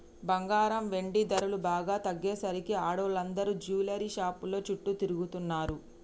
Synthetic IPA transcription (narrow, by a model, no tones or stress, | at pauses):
bɐŋɡaːɾɐmʋe̞ɳɖid̪ɐɾulubaːɡaːt̪ɐɡːeːsɐɾikiaːɽoːlɐnd̪ɐɾud͡ʒuːlɐɾiʃaːpulo̞ːt͡ʃuʈːut̪iɾuɡut̪unːaːɾu